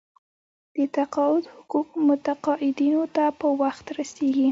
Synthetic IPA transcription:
d̪̥ət̪aqɑɪd̪hʊquq̚mʊt̪aqɑʔɪd̪inot̪apəwaxt̪ɾaseɡi

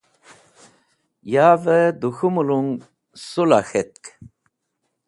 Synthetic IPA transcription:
jaːvəd̪uxumuluŋ | sulaxet̪̚k

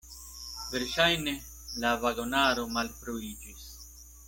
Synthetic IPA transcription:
veɾʃajne̞ | lavaɡonaɾo̞malpɾoid͡ʒis

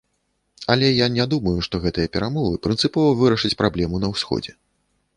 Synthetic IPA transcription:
ɐlʲɛjanʲɛd̪umɐjuʂt̪ɔɣɛt̪ɨjɐpʲɛɾamɔvɨpɾɨnt̪sɨpɔvɐvɨɾɐʂɨt͡sʲpɾʔablʲɛmunɐwsʲxɔ̰d͡zʲɛ

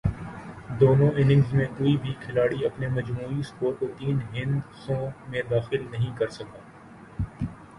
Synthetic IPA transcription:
d̪oːnõʔɪnɪ̃ŋɡzmẽʔuːibʱikʰɪlaːɽiɐpnemɐd͡ʒmuːispoːɾkot̪iːnɦɪ̃nd̪sõːmẽd̪aːxɪlnɐɦĩkɐɾsɐkaː

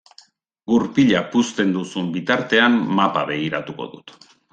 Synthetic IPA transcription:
ɡuɾpiʎapust̪e̞nd̪usumbit̪aɾt̪e̞amːapaβe̞ɣ̞iɾat̪uko̞̰ðut̪

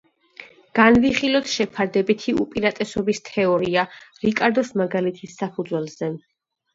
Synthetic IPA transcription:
ɡ̥anviχilˠɔt̪ʰʃɛpʰaɾd̪ɛbit̪ʰiṵpʼiɾat̪ʼɛsɔbist̪ʰɛɔɾiaɾikʼaɾd̪ɔsmaɡalit̪ʰisːapʰud̪zwɛlˠz̥ɛ

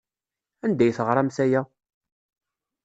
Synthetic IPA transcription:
ænd̪æjθəʁɾˤɑmsæjæ

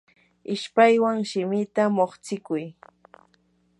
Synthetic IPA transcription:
ɪʃpajwaŋʃɪmɪt̪amoχt͡sɪkʊj

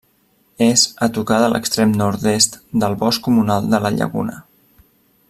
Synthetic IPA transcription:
ezət̪ukaðəlʔə̰kst̪ɾemnɔɾt̪est̪d̪əlˠβɔskumunalˠd̪ələʎə̰ɣṵnə̰

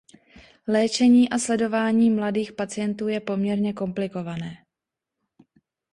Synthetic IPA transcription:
lɛːt͡ʃɛɲiːʔaslɛdo̞vaːɲiːmladiːxpat͡sɪjɛnt̪uːjɛpo̞mɲɛɾɲɛko̞mplɪko̞vanɛː

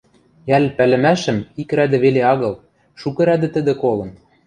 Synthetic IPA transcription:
jælpælɘ̆mæʃɘ̆mikɾæd̪ɘ̆βeleɑɣɤ̆lˠ | ʃukɤ̆ɾæd̪ɘ̆t̪ɘ̆d̪ɘ̆kolɤ̆n

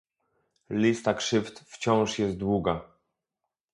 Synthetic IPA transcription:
lʲist̪akʂɘft̪ft͡ɕɔ̃w̃ʂjɛst̪̚d̪wuɡa

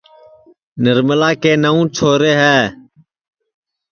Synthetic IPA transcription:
nəɾməlaːkeːnəũːt͡ʃʰoːɾeːɦɛː

